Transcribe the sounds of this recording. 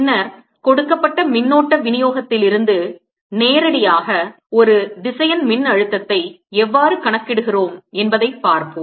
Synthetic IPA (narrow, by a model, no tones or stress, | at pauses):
nːɐɾ | kɔɽɯkːɐpːɐʈːɐmɪnːoːʈːɐʋɪnɪjoːɣɐt̪ːɪlɪɾɯnd̪ɯ | neːɾɐɽɪjaːɣɐ | ɔɾɯd̪ɪsɐjɐnmɪnːɐɻɯt̪ːɐt̪ːɐɪ | ɛʋːaːɾɯkɐɳɐkːɪɽɯɣɪroːmɛnbɐðɐɪpaːɾpɯm